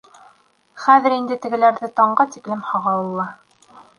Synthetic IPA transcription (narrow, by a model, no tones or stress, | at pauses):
χæðɘ̆ɾind̪ɘt̪ɘ̆ɡɘ̆læɾðɘt̪ɑɴɢɑt̪iklɘmhɑʁɑwɤ̆lˠːɑ